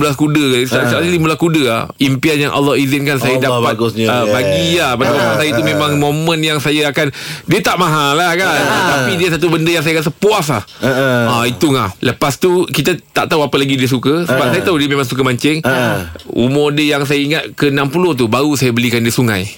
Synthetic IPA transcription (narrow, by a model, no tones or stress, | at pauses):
mulahkudəassaallimulakudəa̰impianjaŋʔa̰lːɔhizɪnkansajadapatɡəbaɡilahpadamomãnsajət̪umẽmãŋmõmə̃njaŋsajaakandiət̪aʔmaɦalahkant̪apidiəsat̪̬ubəndəjaŋsajakans̬əpuaslahait̪uŋahləpast̪ukit̪at̪a̰ʔt̪aɦuapəlaɡidiəs̬ukəsəbasajat̪aɦudiəmẽmãŋsuk̬əmaɲt͡ʃɪŋ | ṵmʊrdəjaŋs̬ajaiŋat̪̚kəənampulʊht̪ubaɾusajabəlikandiəsuŋã̰j